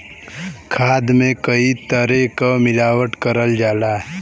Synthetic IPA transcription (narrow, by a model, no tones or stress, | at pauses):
kʰaːd̪mẽkəit̪əɾekamɪlaːwəʈkəɾəld͡ʒaːlaːɦɛ